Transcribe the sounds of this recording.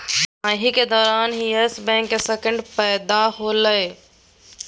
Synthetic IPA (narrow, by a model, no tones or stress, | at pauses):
ãɦiked̪ɔːɾaːnɦiesbɛ̃ːŋkːesekə̃ɳɖpəːd̪aɦoləj